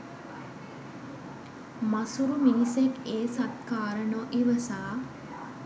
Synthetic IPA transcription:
masuɾuminisekeːsat̪kaːɾəɳoʔiʋəsaː

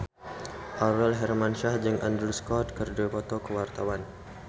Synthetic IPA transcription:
ʔaɾɛlɦɛrmanʃahd͡ʒɨŋʔa̰nd̪ɾuskɔt̪̚kərdupɔt̪ɔkəwart̪awan

